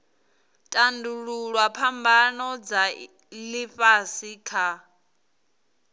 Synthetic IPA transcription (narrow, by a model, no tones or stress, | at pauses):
tʼanduɺuɺwapʰambanɔd͡za | liɸasikʰa